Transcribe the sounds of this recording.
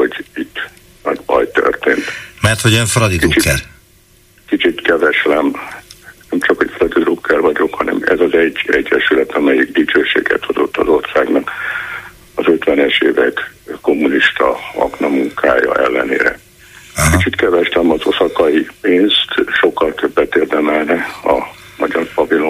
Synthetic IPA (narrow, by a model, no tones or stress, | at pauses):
ho̞ɟit̪ː | nɛɟbɒ̰jt̪ø̰rt̪eːnt̪mɛrt̪hoɟɛɱfrɒd̪id̪iot͡ʃikːɛl | kit͡ʃit̪kɛvɛʃlɛm | nɛmt͡ʃɒkhocfrɒd̪id̪ɾukʰːɛrvɒɟo̞khɒnɛ̰mɛ̰zɒzɛɟːɛɟːɛʃylɛt̪ɒmɛjikd̪it͡ʃøːʃḛːɡɛ̰t̪ho̞zo̞t̪ːɒzo̞rsaːɡnɒk | ɒzø̞t̪ʋɛnɛʃeːvɛkko̞mːuniʃt̪ɒ̰ɒ̰ɡnɒmuŋkʰa̰ːjɒ̰ʔɛ̰lːɛ̰nḛːɾɛ̰ | kit͡ʃit̪kɛvɛʃlɛmɒzo̞sɒkɒipeːnst̪ʃo̞kːɒlt̪øbːɛt̪eːrd̪ɛmɛlnɛɒmɒɟɒrpɒvilo